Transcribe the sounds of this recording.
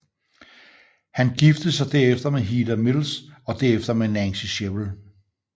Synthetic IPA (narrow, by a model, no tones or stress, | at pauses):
hænɡ̥ifd̥əð̩ˠsɑ̈ɪd̥æɐ̰efd̥ɐmeɦiːd̥ɐmilsɒ̽d̥eɐefd̥ɐmenænsiɕebl̩